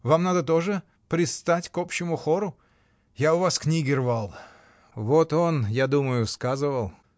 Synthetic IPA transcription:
vamnad̪ət̪o̞ʐɨ | pɾʲɪt̪st̪atʲkopɕːɪmʊxoɾʊ | jaʊvasknʲiɡʲɪrvalˠ | vot̪onjad̪uməjʊskazɨvəlˠ

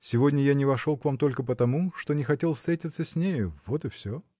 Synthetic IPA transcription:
sʲɪvo̞dʲnʲəjanʲɪvɐʂo̞lˠkvamt̪o̞lʲkəp̬ət̪ɐmuʂt̪o̞nʲɪxɐtʲe̞lˠfst̪ɾʲetʲɪt̪səsʲnʲejʊvo̞t̪ɨfsʲo

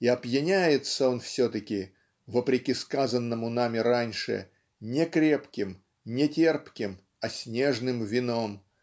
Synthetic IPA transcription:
iɐpjɪnʲæjɪt̪səonfsʲot̪əkʲɪ | vəpɾʲɪkʲiskazənːəmʊnamʲɪɾanʲʂɨ̰ | nʲɪkɾʲe̞pkʲɪm | nʲɪtʲerpkʲɪm | ɐsʲnʲe̞ʐnɨmvʲɪno̞m

